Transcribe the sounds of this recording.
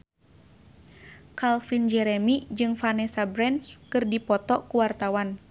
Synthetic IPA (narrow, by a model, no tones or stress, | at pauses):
kalfind͡ʒɛɾɛmid͡ʒɨŋfanɛsabɾɛnskɨrdipɔt̪ɔkuwart̪awan